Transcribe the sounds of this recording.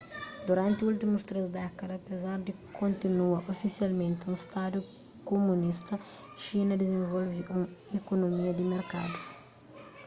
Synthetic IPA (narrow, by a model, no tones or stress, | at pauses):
d̪uɾɐ̃nt̪ɪult̪imust̪ɾezd̪ɛkɐd̪ɐpezaɾd̪ikʰõnt̪inuɐʔofisialmẽnt̪ɪũst̪ad̪ju | komunist̪ɐ | ʃinɐd̪ɪzẽvɔlviʔũekonomiɐd̪imeɾka̰d̪u